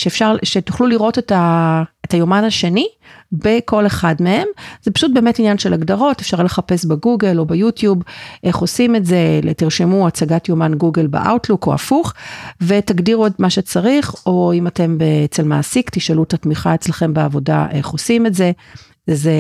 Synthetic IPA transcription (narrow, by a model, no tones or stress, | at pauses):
ʃeːfʃaʁʃetuχluliʁo̞tetaetajomanaʃenibeko̞le̞χadmehe̞mz̥epḁʃut̚beːmetinjanʃelaɡdaʁo̞tefʃaʁle̞χape̞sbeɡuɡelo̞bejutjubʔe̞χo̞sime̞tze̞tiʁʃimuat͡saɡatjo̞manɡuɡelbḛʔa̰wtluko̰a̰fuχve̞taɡdiʁuodmaʃet͡saʁiχo̞imate̞mbeet͡selma̰ːsikt̪iʃalutatmiχae̞t͡slaχe̞mbeavo̞da̰ʔeχo̞sime̞tze̞ | ze